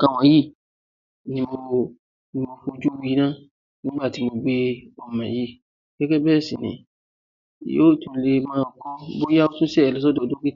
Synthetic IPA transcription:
kã˨wã˨˦ji˦ | nĩ˨bo˨ | nĩ˨mbo˨fo˨d͡ʒu˦wi˦nã˦ | nĩ˦ba˨ti˨mo˨be˦o˨mã̰˨ji˦ | kɛ˦kɛ˦bɛ˦sĩ˨nḭ̃˨˦ | jo˦tũ˨le˦mã˨kɔ˦bo˦ja˦o˦tũ˦se˦ɛ˨lɛ˨s̬ɔ˦do˨do˦ki˦˨

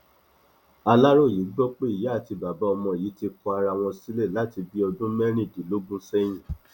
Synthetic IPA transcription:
a˧la˦ɾo˦˨ji˨˦ɡ͡bɔ˦k͡pe˦i˨ja˨˦a˦˨ti˧ba˨ba˨˦ɔ˧mɔ̃˧˨ji˨˦ti˧kɔ˧a˧ɾa˧˨w̃ɔ̃˧si˦le˦˨la˨˦ti˧bi˦ɔ˧dũ˦mɛ˦ɾ̃ĩ˦˨di˨˦lo˦ɡ͡bũ˦sɛ˦j̃ĩ˦˨

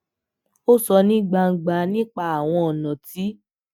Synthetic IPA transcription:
o˦sɔ˧nĩ˦ɡ͡ba˧ŋ̩˨ɡ͡ba˧nĩ˦k͡pa˧˦a˨w̃ɔ̃˧ɔ˨nã˨ti˨˦

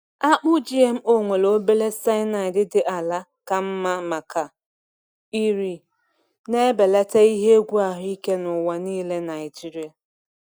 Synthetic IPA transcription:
a˦k͡pʊ˦d͡ʒi˦e˦m̩˦o˦ŋʷe˨lo˨˦be˦le˦sa˦ɪ˦na˨ɪ˨dɪ˦dɪ˦ʔa˨la˦ | ka˨m̩˦ma˦ma˨kʰa˨ | i˦ɾi˦ | ne˦be˨la˦te˦i˦ɦe˦ɡʷu˦a˨ɦʊ˦i˦ke˦nʊ˨wa˨niː˦le˦na˨ɪ˨d͡ʒi˦ɾi˦a˨

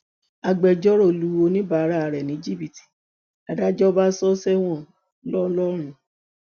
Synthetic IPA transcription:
a˧ɡ͡bɛ˨d͡ʒɔ˦ɾɔ˦˨lu˨˦o˧nĩ˦ba˨˦ɾa˦˨ɾɛ˨nĩ˨˦d͡ʒi˦˨bi˨ti̥˨ | a˨da˦d͡ʒɔ˦ba˦sɔ˦sɛ˦w̃ɔ̃˦˨ | lɔ˦lɔ˦ɾ̃ũ˨

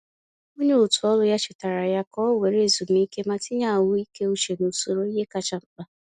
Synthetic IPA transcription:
o˦ɲe˦u˨tʊ˨ɔ˦lʊ˦ja˦t͡ʃɪ˨ta˨ɾa˨ja˦kɔ˦we˨ɾe˦˨zu˨m̩˦i˦ke˦ma˦tɪ˦ɲa˦˨a˨wʊ˦i˦ke˦u˦t͡ʃe˨no˨so˨ɾo˦i˦ɦe˦ka˦t͡ʃa˦ŋ͡m̩˦k͡pa˦

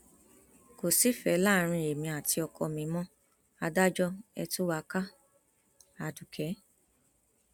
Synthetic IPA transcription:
ko˨si˨˦fɛ˨˦la˦˨˦ɾ̃ĩ˧e˨mĩ˧a˨ti˧ɔ˧kʰɔ˧mĩ˨˦mɔ̃˦ | a˧da˦d͡ʒɔ˦ɛ̰˧tu˦wa˧˦ka˦ | a˨du˨kʰɛ˨˦

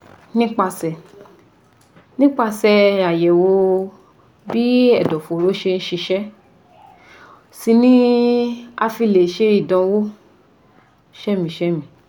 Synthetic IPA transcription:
nĩ˦k͡pa˧sɛ˧˨ | nĩ˦k͡pa˧sɛ˧a˨jɛ˨wo˧ | bi˦ɛ˨dɔ˨fo˨ɾo˨˦ʃe˧ñ̩˦ʃi˧ʃɛ˦ | si˧nĩ˦ | a˧fi˧le˨ʃe˦i˦˨dɔ̃˨˧wo˦ | ʃɛ˦mĩ˨ʃɛ˦mĩ˨

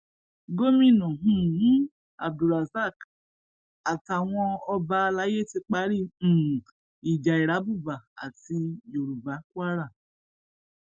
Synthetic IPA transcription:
ɡo˦mĩ˦˨nɔ̃˨ɦũ˦nũ˦ | a̰˨b̚du˨ɾa˨za˦˨k | a˨ta˨w̃ɔ̃˧ɔ˧ba˧la˨˦je˦te˧k͡pa˨˦ɾi˦˨ | i˨d͡ʒa˨i˨ɾa˨˦bu˦˨ba˨a̰˨ti˧jo˨ɾu˨ba˨˦kwa˦ɾa˦˨

